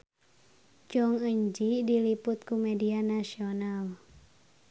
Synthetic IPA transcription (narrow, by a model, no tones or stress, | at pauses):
t͡ʃɔŋəɲd͡ʒidiliput̪̚kumɛdianasional